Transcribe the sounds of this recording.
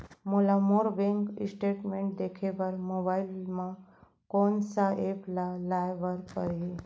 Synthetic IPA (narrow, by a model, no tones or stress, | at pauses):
molamoɾbẽŋkḭsʈeʈmẽɳʈ̚d̪ekʰeʋəɾmobailmã | konsaeplalajʋəɾkəɾee